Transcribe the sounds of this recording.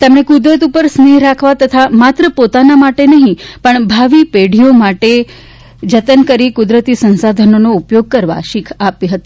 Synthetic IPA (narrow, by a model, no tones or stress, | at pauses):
t̪emɳẽkud̪ɾət̪̬upəɾsneɦɾakʰʋat̪ət̪ʰamat̪ɾəpot̪anamaʈenəɦĩpəɳbʱaʋipeɽ̤ʱijomaʈe | d͡ʒət̪ənkəɾikud̪ɾət̪isə̃nsad̪ʱənonoupjoɡ̚kəɾʋa̰ʃikʰapiɦət̪i